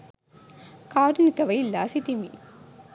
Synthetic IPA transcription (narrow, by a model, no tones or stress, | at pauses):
kaːʈinkɐʋɐjlːa̰ːsiʈimḭ